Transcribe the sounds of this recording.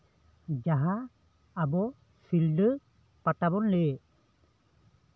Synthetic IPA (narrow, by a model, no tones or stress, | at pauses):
d͡ʒaɦaː | bɔ | silɖə | patabɔnle